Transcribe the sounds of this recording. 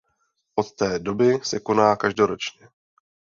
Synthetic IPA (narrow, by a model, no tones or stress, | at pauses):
ʔo̞t̪ːɛːdo̞bɪsɛko̞naːkaʒdoɾo̞t͡ʃɲɛ